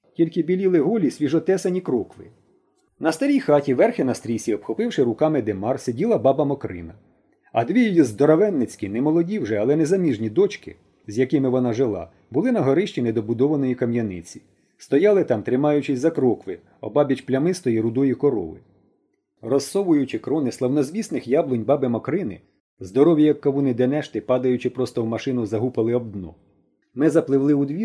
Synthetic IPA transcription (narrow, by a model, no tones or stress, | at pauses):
tʲilʲkɪbʲilʲilˠɪɦɔlʲisʲʋʲiʒɔt̪ɛsɐnʲikɾɔkʋɪ̰ | nɐst̪ɐɾʲijxɑtʲiʋɛrxɪnɐst̪ɾʲisʲiɔpxɔpɪwʃɪɾʊkɑmɪd̪emɑrsedʲilˠɐbɑbɐmɔkɾɪ̰nɐ | ɐ̰d̪ʋʲijɔjizd̪ɔɾɔʋɛnːɪt͡sʲkʲinɛmɔlˠɔdʲiwʒɛɐlˠɛnɛzɐmʲiʒnʲid̪ɔt͡ʃkɪ̰ | zʲjɐkɪmɪʋɔnɑʒɪlˠɑ̰ | bʊlˠɪnɐɦɔɾɪʃt͡ʃʲinɛd̪ɔbʊd̪ɔʋɐnɔjikɐmjɐnɪ̰t͡sʲi̥ | st̪ɔjɑlˠɪt̪ɑmt̪ɾɪmɑjʊt͡ʃɪsʲzɐkɾɔkʋɪ | ɔ̰bɑbʲjɐt͡ʃplʲɐmɪst̪ɔiɾʊd̪ɔjikɔɾɔ̰ʋɪ̰ | rɔsːɔʋʊjʊt͡ʃɪkɾɔnɪslˠɐwnɔzʲʋʲisnɪxjablˠɔnʲbɑbɪmɔkɾɪnɪ | zd̪ɔɾɔʋʲjɐjɐkːɐʋunɪd̪ɛnɛʃt̪ɪpɑd̪ɐjʊt͡ʃɪpɾɔst̪ɔwmɐʃɪnʊzɐɦupɐlˠɪɔb̚d̪nɔ̰ | mɪzɐplˠɪwlˠɪud̪ʋʲi